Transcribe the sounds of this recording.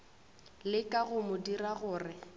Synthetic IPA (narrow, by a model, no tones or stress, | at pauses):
lɪkʼaɣʊmʊdiraɣʊːrɪ